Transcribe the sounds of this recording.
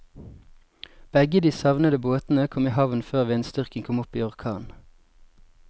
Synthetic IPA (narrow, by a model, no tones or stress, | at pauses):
b̥ɛɡəd̪iːsɑʋnəd̪əboːt̪n̩əkʰɔmiːhɑʋnføːʁʋiːeːnst̪ʏʁkəŋkʰɔmʊpiːɔʁkʰɑːn